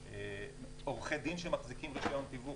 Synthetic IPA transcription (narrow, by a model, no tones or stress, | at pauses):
e | oʁχed̪inʃemaχzikimʁiʃajont̪ivu